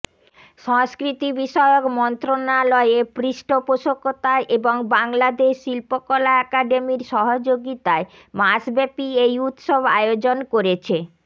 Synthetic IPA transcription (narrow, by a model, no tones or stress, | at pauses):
ʃɔŋskɾit̪ibiʃɔeokmɔnt̪ɾonalɔeepɾiʃʈopoʃokːot̪aeʔeboŋbaŋlad̪eʃːilpokɔlaɛkaɖemiɾʃɔɦod͡ʑoɡit̪ae | masbɛpiejut̪ʃobʱa̰eod͡ʑonkoɾet͡ɕʰe